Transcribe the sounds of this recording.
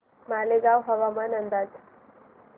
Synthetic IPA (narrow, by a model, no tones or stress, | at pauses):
maleɡawɦəʋamanənd̪ad͡z